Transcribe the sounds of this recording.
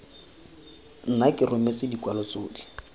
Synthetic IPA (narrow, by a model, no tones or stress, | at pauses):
n̩nakʼɪrʊmɛsɪdikʼwalɔt͡soːdi̥